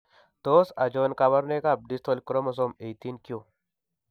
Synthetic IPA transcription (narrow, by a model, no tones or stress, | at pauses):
t̪osad͡ʒonkaβɐɾnekab̚dist̪ʰolʲkɾomɐs̬omejt̪inkijo